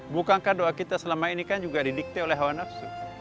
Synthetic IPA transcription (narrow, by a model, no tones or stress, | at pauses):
bukaŋkahdoakit̪asəlamainikand͡ʒuɡadidik̚t̪ɛolɛɦawanafsu